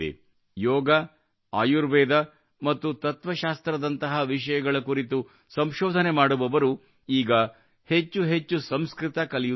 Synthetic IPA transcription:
ḛ | jɔːɡɐ | aːjuɾʋɛːd̪ɐ | mɐt̪ːut̪ɐt̪ʋɐʃaːst̪ɾɐd̪ɐnt̪ɐɦɐʋiʃɐjɐɡɐɭɐkuːɾit̪u | sɐmʃɔːd̪ʱɐne̞maːɽuʋɐʋɐɾu | iːɡɐ | he̞t͡ʃːuɦet͡ʃːusɐmskɾit̪ɐkɐliju

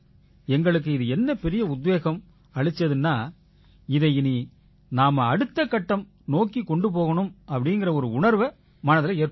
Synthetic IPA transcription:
ɛŋɡɐɭɯk̬ːɯɪðɯɛnːɐpɛɾɪjɐʊd̪ʋeːɣɐm | ɐɻɯt͡ʃːɐðɯnːaː | ɪðɐɪɪni | naːmɐɐɽɯt̪ːɐkːɐʈːɐm | noːkːikːɔɳɖɯpoːɣɐɳɯmɐpːɐɽɪnɡɪrɐɔɾɯʊɳɐɾʋɐ | mɐnɐðɪlɐeːɾp

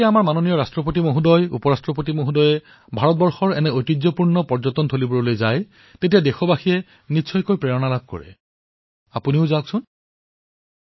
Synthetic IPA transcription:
iaamaɹmanonijɔɹastɹɔpotimoɦudɔjṵpɔɹastɹɔp̬otimoɦudɔjɛ | bʱaɹɔt̚bɔɹxɔɹɛnɛojtid͡ʑzɔpuɹnɔpɔɹzɔtɔntʰolibɔɹɔlojzaj | tetijadexɔbaxijɛ | nisʰɔjkojpɹɛɹɔnalab̚ʱkɔ̰ɹɛ̰ | apuniʊzawksʊn

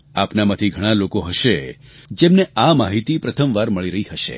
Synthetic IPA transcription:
apnamãt̪ʰiɡʱəɽ̃alokoɦəʃed͡ʒemneamaɦit̪ipɾət̪ʰəmʋaɾməɭiɾəɦiɦəʃḛ

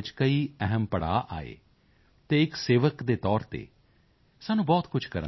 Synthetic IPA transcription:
t͡ʃkəiːɛɦəmpəɽa̰ːʔa̰ːḛː | t̪eːɪkseːʋəkd̪eːt̪ɔːɾt̪ḛː | saːnũːbɔːt̪kʊt͡ʃʰkəɾə

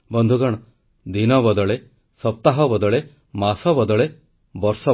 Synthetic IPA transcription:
bɔnd̪ʱuɡɔɽ̃ɔ | d̪inɔbɔd̪ɔɭe | sɔp̚t̪aɦɔbɔd̪ɔɭe | masɔbɔd̪ɔɭe | bɔɾsɔ

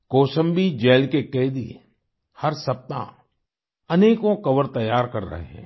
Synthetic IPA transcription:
koːʃə̃mbid͡ʒeːlkekeːd̪ḭ | hɐɾsɐp̚t̪ã̰ | ɐneːkõkɐʋəɾt̪ɐjːaːɾkɐɾːə̰ɦḛɦɛ̰̃ː

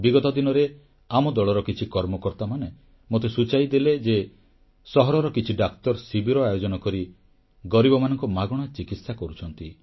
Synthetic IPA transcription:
biɡɔt̪ɔd̪inɔɾe | amɔd̪ɔɭɔɾɔkit͡ʃʰikɔɾmɔkɔɾt̪amane | mot̪esut͡ʃajd̪eled͡ʒe | sɔɦɔɾɔɾɔkit͡ʃʰiɖakt̪ɔɾsibʱiɾɔajod͡ʒɔnɔkɔɾi | ɡɔɾibɔmanɔŋkɔmaɡɔɽ̃ɔt͡ʃikit̪sakɔɾut͡ʃʰɔnt̪i

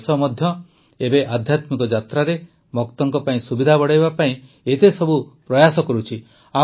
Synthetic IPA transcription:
sɔmɔd̪ʱjɔ | ebeʔad̪ʱjat̪mikɔd͡ʒat̪ɾaɾe | mɔkt̪ɔŋkɔpaĩsubid̪ʱabɔɽajbapaĩ | et̪esɔbupɾɔjasɔkɔɾut͡ʃʰi | a

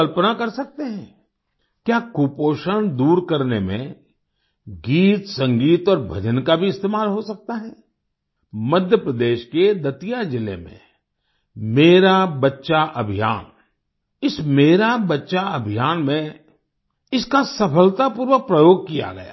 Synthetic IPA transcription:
əlpənakɐɾsɐk̚t̪eɦɛ̃ | kjaːkuːpoːʃəñd̪uːɾkɐɾnemḛ̃ | ɡiːt̪sɐ̃ŋɡiːt̪ɔːɾbʱɐ̰d͡ʒənkabʱiɪst̪eːmaːlɦosɐk̚t̪aɦɛː | mɐd̪ʱjəpɾəd̪eːʃked̪ɐt̪ijad͡ʒɪlḛmḛ̃ | meːɾabɐtːʃaʔɐbʱija̰ːn | ɪsmeːɾabɐtːʃaɐbʱijaːnmẽ | ɪskasɐpʰəlt̪apuːɾʋək̚pɾəjoːɡ̚kija̰ɡɐja̰ː

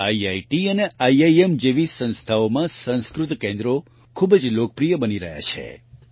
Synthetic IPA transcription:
aiaiʈiəneʔaiaiemd͡ʒeʋisə̃nst̪ʰaomãsə̃ñskɾʊt̪kẽnd̪ɾo | kʰubd͡ʒlokəpɾijəbəniɾə̰ɦja̰t͡ʃʰḛ

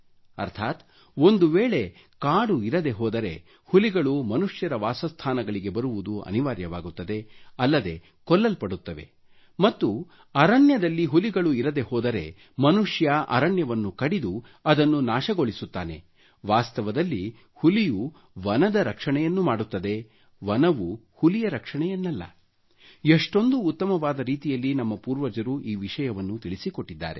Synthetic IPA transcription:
ɐ̰ɾt̪ʰaːt̪ | ond̪uʋeːɭe̞ | kaːɽuiɾɐd̪e̞ɦɔːd̪ɐɾe̞̰ | huliɡɐɭumɐnuʂjɐɾɐʋaːsɐst̪ʰaːnɐɡɐɭiɡe̞bɐɾuʋud̪uɐ̰niʋaːɾjɐʋaːɡut̪ːɐd̪e̞ɐlːɐd̪e̞ | kɔlːɐlpɐɽut̪ːɐʋe̞̰ | mɐt̪ːu | ɐɾɐɳjɐd̪ɐlːiɦuliɡɐɭuiɾɐd̪e̞hɔːd̪ɐɾe̞̰ | mɐnuʂjɐʔɐ̰ɾɐɳjɐʋɐnːukɐɽid̪u | ɐd̪ɐnːunaːʃɐɡo̞ɭisut̪ːa̰ːne̞̰ | ʋaːst̪ɐʋɐd̪ɐlːi | huliju | ʋɐnɐd̪ɐɾɐkʂɐɳɛjɐnːumaːɽut̪ːɐd̪e̞ | ʋɐnɐʋuhulijɐɾɐkʂɐɳɛjɐnːɐlːɐ̰ | eʂʈo̞nd̪uːt̪ːɐmɐʋaːd̪ɐɾiːt̪ijɐlːinɐmːɐpuːɾʋɐd͡ʒɐɾuʔiːʋiʂɐjɐʋɐnːut̪iɭisikoʈːid̪ːa̰ːɾe̞̰

